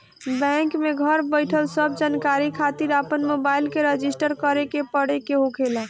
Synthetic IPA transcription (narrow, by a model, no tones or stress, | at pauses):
bɛ̃ŋkmeɡʱəɾbəjʈʰəlsəb̚d͡ʒankaɾikʰat̪iɾapənmobailkeɾed͡ʒisʈəɾkəɾekepəɽekeɦokʰela